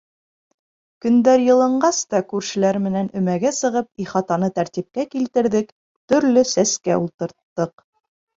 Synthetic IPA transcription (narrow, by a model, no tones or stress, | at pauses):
kɵ̆nd̪æɾjɤ̆lˠɤ̆ɴɢɑst̪ɑkʉɾʃɘ̆læɾmɘ̆nænɵ̆mæɡæsɤ̆ʁɤpiχɑt̪ɑnɤt̪æɾt̪ip̚kækilt̪ɘ̆ɾðɘk | t̪ɵ̆ɾlɵsæskæulˠt̪ɤ̆ɾt̪ːɤq